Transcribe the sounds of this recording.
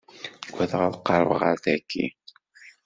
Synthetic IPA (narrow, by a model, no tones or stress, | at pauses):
ɡʷæðəʁæðqːɑɾˤəvə̰ʁəɾθækʰːḭ